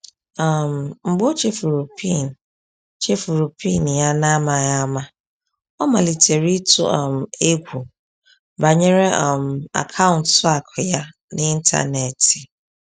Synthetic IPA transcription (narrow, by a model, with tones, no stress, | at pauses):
ã˨mŋ͡m̩˨ɡ͡bo˦t͡ʃʰe˦fu˨ɾo˨pʰi˦˨n˨ | t͡ʃʰe˦fu˨ɾu˨pʰi˦˨n˨ja˨nã˦mã˨ja˦mã˨ | ɔ˦mã˨li˨tʰe˨ɾi˦tʰʊ̰˦ã˨me˦kʷʰu˨ | ba˨ɲɪ̃˦ɾɛ˦ã˨ma̰˨kʰã˦ʊ̃˨ntsʊ˦a˨kʰɛ˨ja˦ | nɪ̃˦i˦n˦tʰa̰˦˨nɛ˨tʰɪ˨